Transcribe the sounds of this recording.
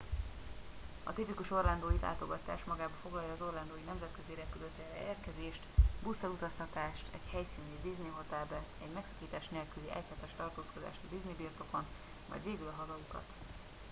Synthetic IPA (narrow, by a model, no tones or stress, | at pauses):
ɒ̰t̪ip̪ikuʃo̞rland̪oːjilʔa̰ːt̪o̞ɡɒt̪a̰ːʃmɒɡaːbɒfo̞ɡlɒjːɒːzo̞rland̪oːjinɛmzɛt̪kø̞ziːɾɛpyløt̪ɛrɛ̰eːrkɛzeːʃt̪busːɛlut̪ɒst̪ɒt̪aːʃt̪ʰɛ̰chɛjsiːnid̪izneɦot̪aːbɛɛɟmɛksɒ̥kiːt̪aːʃneːlkyliʔɛchɛt̪ɛʃt̪ɒrt̪oːsko̞d̪a̰ːʃt̪ɒd̪iznebiːrt̪o̞ko̞n | mɒ̰jd̪ʋeːɡylɒɦɒzɒukɒ̰t̪